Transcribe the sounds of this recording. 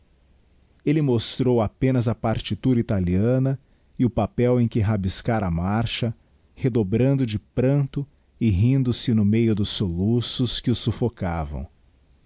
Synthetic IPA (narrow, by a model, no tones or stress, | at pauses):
elɪmost̪ɾowapẽnɐzɐpaɾt͡ʃit̪uɾɐit̪aliɐ̃nɐ | ɪʊpapɛwẽj̃kɪɦabiskaɾɐmaɾʃɐ | hed̪obɾɐ̃nd̪ʊd͡ʒɪpɾɐ̃t̪ʊ | ɪɦĩnd̪ʊsɪnʊmejʊd̪ʊsːolusʊskɪʊsufokavɐ̰̃w̃